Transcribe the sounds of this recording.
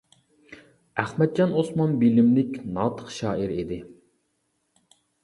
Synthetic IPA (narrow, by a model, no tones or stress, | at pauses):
æχmɛd̪̚d͡ʒɑnosmɑnbilɪmlɪkʲnɑːt̪ʰə̥χʃɑːʔiɾid̪ɪ